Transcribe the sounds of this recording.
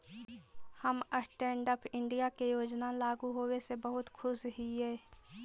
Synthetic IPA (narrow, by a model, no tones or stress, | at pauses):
həməsʈɛ̃ːɳɖəpʰɪɳɖijakejoːd͡ʒnalaːɡuɦoːwesebəɦʊt̪kʰʊsɦiɦɛː